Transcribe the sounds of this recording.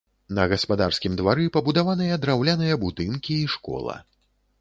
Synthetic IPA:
nɐɣɐspad̪arskʲimd̪vaɾɨpɐbud̪avanɨjɐd̪ɾawlʲanɨjɐbud̪ɨnkʲiːʂkɔ̰lˠɐ̰

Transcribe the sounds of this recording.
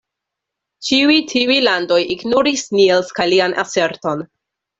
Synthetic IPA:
t͡ʃiujtʰiujlando̞jiɡnoɾisnilskajlianʔa̰se̞ɾto̞n

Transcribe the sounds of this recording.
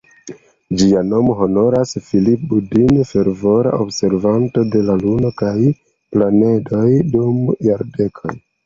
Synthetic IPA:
d͡ʒiano̞moɦo̞no̞ɾasfilip̚budinfe̞ɾvo̞ɾa̰ʔobse̞ɾvanto̞de̞laluno̞kaj | plane̞do̞jdumjaɾde̞kʰo̰j

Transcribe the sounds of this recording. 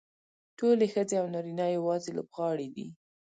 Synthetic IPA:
ʈolexəd͡zeawnɑɾinɑjawɑzelo̰bɣɑɽid̪ḭ

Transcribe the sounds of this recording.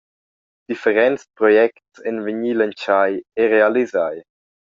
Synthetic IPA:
d̪̥ifəɾɛnspɾɔjɛktsɛnvəɲilənt͡ʃajeɾealizaj

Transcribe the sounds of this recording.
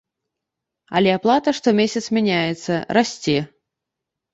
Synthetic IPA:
ɐ̰lʲɛaplˠat̪ɐʂt̪ɔmʲesʲɐt̪smʲanʲajɛt̪sːɐɾasʲt͡sʲe

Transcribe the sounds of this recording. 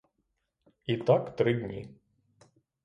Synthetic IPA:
it̪akt̪ɾɪdʲnʲḭ

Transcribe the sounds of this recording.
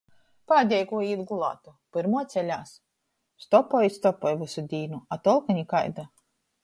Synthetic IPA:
paːd̪ʲɛjkuɔiːd̪ɡulˠa̰ːt̪upɨɾmuɔt̪sʲɛlʲaːs | st̪ɔpɔjist̪ɔpɔjvɨsud̪ʲiːnuat̪ɔlˠkaɲʲikajd̪a

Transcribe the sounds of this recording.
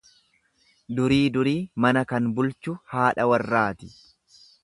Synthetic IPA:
d̪ʊɾiːd̪ʊɾiːmɐnɐkɐnbʊlt͡ʃʊhaːᶑɐwɐrːaːt̪ɪ̥

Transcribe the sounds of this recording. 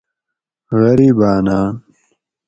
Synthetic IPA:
ɣɐɾibaːnaːn

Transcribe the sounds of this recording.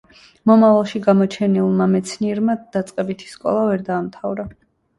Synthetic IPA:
mɔmavalˠʃiɡamɔt͡ʃʰɛnilˠmamɛt̪sʰniɛɾmad̪̥at̪sʼqʼɛbit̪ʰi̥skʼɔ̰lˠavɛɾd̪aːmt̪ʰavɾa

